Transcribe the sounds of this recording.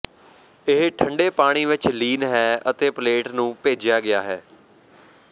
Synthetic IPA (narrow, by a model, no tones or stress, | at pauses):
ɪɦʈʰəɳɖeːpaːɽ̃iːʋɪt͡ʃliːnɦɛːət̪eːpleːʈnũːpeːd͡ʒjaːɡɪjaːɦɛː